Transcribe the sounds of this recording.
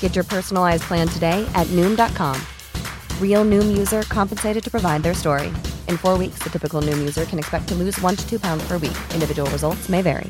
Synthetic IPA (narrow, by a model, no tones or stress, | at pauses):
ɡ̥ɛt͡ʃə˞pʰɜ˞sn̩l̩aɪzpʰl̥æ̃ntʰɨdeɪʔɨtⁿnʉ̃mdɑt̚kʰɑ̰̃m | ɹil̩ˠnʉ̃mjʉzə˞kʰɑ̃mpn̩seɪɾɨd̚tɨpɹ̥əvaɪd̪̚ðə˞stɔɹḭʔɨ̃nfɔɹwiksðɨtʰɪpɨkl̩ˠnʉ̃mjʉzə˞kʰɨ̃nɨkspɛk̚tʰɨlʉzwʌ̃ntʰɨ̥tʰʉpʰãʊ̃ndz̥pʰə˞wḭkʔɪ̃ndɨvɪd͡ʒəwl̩ˠɹɨzʌlˠtsmeɪvɛ̰ɹḭ